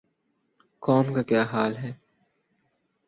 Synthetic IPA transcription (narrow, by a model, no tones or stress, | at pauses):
kɔːmkakjaːɦaːlɦɛː